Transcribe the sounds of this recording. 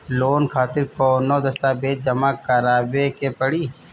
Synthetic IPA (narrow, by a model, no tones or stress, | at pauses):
loːnkʰaːt̪ɪɾkonoːd̪ɐst̪abeːd͡ʒɐmakɐɾaːbekepɐɽi